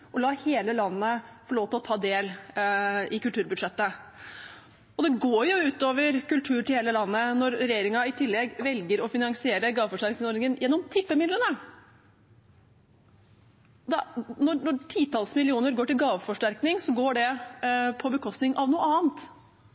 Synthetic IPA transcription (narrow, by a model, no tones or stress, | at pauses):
ʔɔlɑːheːləlɑnːəfɔɭoːʋt̪əɔt̪ʰɑːd̪eːl | ɪkʉlt̪ʉːɾbʉd̪ʂɛt̪ːə | ɔd̪ɛɡoːjʊʉːt̪oːʋəɾkʉlʈ̪ʰʉːɾʈɪlheːləlɑnːənɔɾɾɛjeːɾɪŋɑɪt̪ʰɪlːɛɡʋɛlɡəɾɔfɪnɑŋsɪeːɾəɡɑːʋəfɔʂʈæɾknɪsɔɾnɪŋənjʔɛnːɔmt̪ʰɪpːəmɪd̪lənə | d̪ɛnɔnɔʈʰiːt̪ʰɑlsmɪlɪuːnəɾɡoːʈɪlɡɑːʋəfɔʂʈæɾknɪŋsɔɡoːɖɛpʰɔbəkʰɔst̪nɪŋɑʋnuːəɑːənt̪